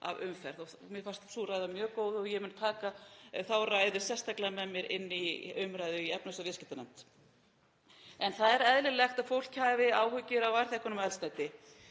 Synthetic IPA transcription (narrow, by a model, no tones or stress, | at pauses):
a̰vʏmfɛɾðɔ | mɛfḁst̪suɾaːjðamjœːkoːwðɔjɛmɪnt̪ʰaːkaθawraːjðʏ̥sjɛ̥st̪ʰaklamɛðmjɛɾʔɪ̰nːiʏmɾaːjðʏiɛpnɔst̪avɪscɪt̪anant̪ | ɛnθaðɛɾɛðlɪlɛxt̪aðfowl̥chaːvɪaːwhʏcɪɾawvaɾ̥θɛhkʏɾnʏmɛlst̪ajt̪ɪ